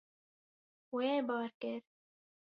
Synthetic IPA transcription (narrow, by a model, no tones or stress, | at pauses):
weːbɑːɾkɪɾ